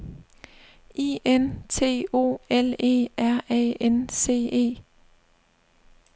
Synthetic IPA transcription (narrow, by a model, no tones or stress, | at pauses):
ʔiːʔent͡sʰe̝̰ːo̝̰ːele̝̰ːʔæɐ̰ɛ̰ːense̝̰ːe̝̰ː